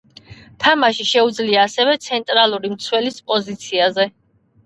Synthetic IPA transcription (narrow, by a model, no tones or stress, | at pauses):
t̪ʰamaʃiʃɛud̪zliaːsɛvɛt̪sʰɛnt̪ʼɾalˠuɾimt̪sʰwɛlispʼɔzit̪sʰiazɛ